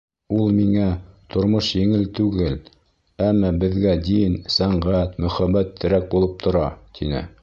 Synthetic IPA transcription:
ulˠmiŋæt̪ŏɾmoʃjɘ̆ŋɘlt̪ʉɡɘl | æmːɑbɘ̆ðɡæd̪insæɴʁæt̪mɵ̆χæbæt̪ːɘ̆ɾæk̚bulˠɤp̚t̪ʰŏɾɑt̪ʰinɘ̰

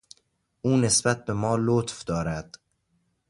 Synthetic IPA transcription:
ʔuːne̞sbæt̪̚be̞mɒːlot̪fd̪ɒːɾæd̪̥

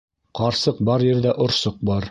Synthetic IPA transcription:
qɑɾsɤq̚bɑɾjɘ̆ɾd̪æʔŏɾsɤq̚bɑɾ

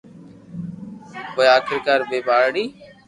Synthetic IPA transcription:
koːeaːkʰɪɾkaːɾbeːbaːɾɽiː

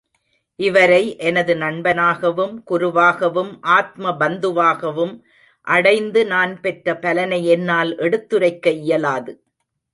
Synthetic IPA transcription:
ʔɪʋɐɾɐɪʔɛnɐðɯnɐɳbɐnaːɣɐʋɯmkʊɾʊʋaːɣɐʋɯmʔaːt̪̚mɐbɐnd̪ɯʋaːɣɐʋɯm | ʔɐɽɐɪnd̪ɯnaːnpɛʈrɐpɐlɐnɐɪɛnːaːlʔɛɽɯt̪ːɯɾɐɪkːɐɪjɐlaːðɯ

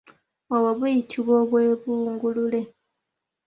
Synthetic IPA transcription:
oβaβujitʰiβwoːβwe̞ːβuːŋɡulule̞

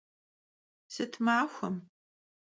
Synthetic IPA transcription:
sɨtʰmaːxʷɐm

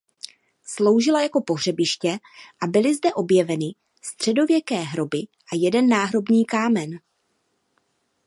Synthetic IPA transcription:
slo̞wʒɪlajako̞po̞ɦr̝ɛbɪʃcɛʔabɪlɪzdɛʔo̞bjɛvɛnɪ | st̪r̝̥ɛdo̞vjɛkɛːɦɾo̞bɪʔajɛdɛnːaːɦɾo̞bɲiːkaːmɛn

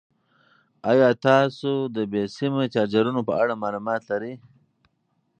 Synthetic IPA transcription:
ajɑːt̪ɑːsod̪əbesimet͡ʃɑːd͡ʒaɾunopəaɽamɑːlumɑːt̪laɾi

